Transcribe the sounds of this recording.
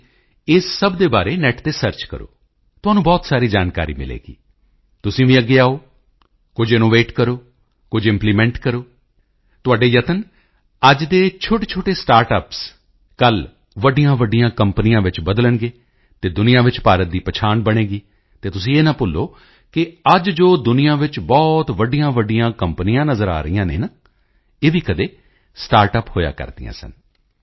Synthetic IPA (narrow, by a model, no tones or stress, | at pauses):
ɪssəbd̪eːbaːɾeːnɛːʈt̪eːsəɾt͡ʃkə̰ɾo̰ː | t̪ʊɦaːnũːbɔːt̪saːɾiːd͡ʒaːnka̰ːɾḭːmɪ̰lḛːɡḭː | t̪ʊsĩːʋĩːəɡːeːaːoː | kʊd͡ʒɪnoːʋeːʈkəɾoː | kʊd͡ʒɪ̃mpliːmɛ̃ːɳʈkəɾoː | t̪ʊaːɖeːjət̪ən | əd͡ʒd̪eːt͡ʃʰoːʈeːt͡ʃʰoːʈeːsʈaːɾʈəːps | kəl | ʋəɖijãːʋəɖijãːkəmpənijãːʋɪt͡ʃbəd̪lənɡeː | t̪eːd̪ʊnɪjãːʋɪt͡ʃpaːɾət̪̚d̪iːpət͡ʃʰaːnbəɽ̃eːɡiː | t̪eːt̪ʊsĩːeːnaːpʊlːoː | kɪəd͡ʒd͡ʒoːd̪ʊnijãːʋɪt͡ʃbɔːt̪ʋəɖijãːʋəɖɪjãːkəmpənijãːnəzəɾa̰ːɾəijãːnḛːnaː | eːʋiːkəd̪eː | sʈaːɾʈəphoːja̰ːkə̰ɾd̪ḭjã̰ːsə̰n